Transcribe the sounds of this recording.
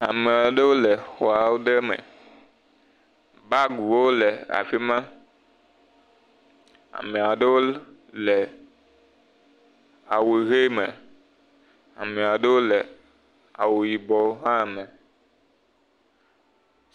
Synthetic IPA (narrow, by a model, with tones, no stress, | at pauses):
a˨mẽ˨a˨ɖe˦wo˦le˨xɔ˨a˨wo˦ɖe˦mḛ̃˨ | ba˦ɡu˨wo˦lɛ˨a̰˨fi˦mã˦ | a̰˨mɛ˨a˨ɖe˦wo˦ | lɛ˨ | a˨we˨ɣe˦mẽ˨ | a̰˨mẽ˨a˨ɖe˦wo˦le˨ | a̰˨wo˨ji˨bɔ˨˦ɦã˦˨mẽ˨